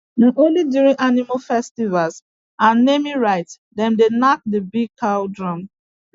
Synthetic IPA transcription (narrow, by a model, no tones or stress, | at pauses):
nãʔõnlidjuɹĩʔanimafɛstivalz | ãnːemiɹaɪt | dɛ̃mdenak̚dəbiɡ̚kʰawdɹɔ̃m